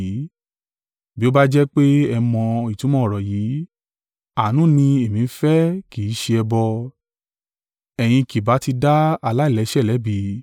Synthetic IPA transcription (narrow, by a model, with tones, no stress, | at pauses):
bi˦o˦ba˦d͡ʒɛ˦k͡pe˦ɛ˧mɔ̃˧i˨tũ˨˦mɔ̃˦ɔ˦˨ɾɔ˨ji˨˦ | a˨nũ˦˨nĩ˧e˨mĩ˨˦fɛ˦ki˨˦ʃe˧ɛ˧bɔ˧ | ɛ˨j̃ĩ˧ki˨ba˨˦ti˧da˦a˧la˦i˦˨lɛ˨˧˦ʃɛ˦˨lɛ˨˦bi˨˧